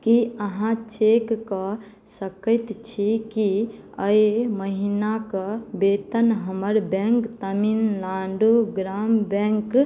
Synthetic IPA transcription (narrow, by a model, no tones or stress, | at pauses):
kiəɦãt͡ʃekːɔ | səkəɪt̪t͡ʃʰiki | əjməɦinakəbet̪ənɦəməɾbɛ̃ŋkt̪əminlaɳɖuɡɾambɛ̃ŋk